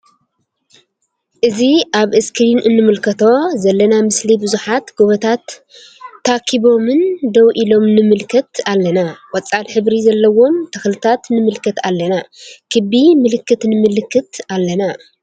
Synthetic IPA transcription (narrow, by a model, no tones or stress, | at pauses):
ʔɨziʔaβɨskɾinʔɨnːɨmɨlkʰɐt̪ʰo̞zɐlːɐnamɨslibɨzuħat̪ɡ̥oβɐt̪ʰat̪ː | akʰiβo̞mɨnd̪ɐwʔilo̞mnɨmɨlkʰɐt̪alːɐnawɐt͡sʼːalħɨβɾizɐlːɐwo̞mt̪ʰɐxlɨt̪ʰat̪nɨmɨlkʰɐt̪alːɐnakʰɨbimɨlɨkːɨt̪nɨmɨlɨkʰːɨt̪alːɐna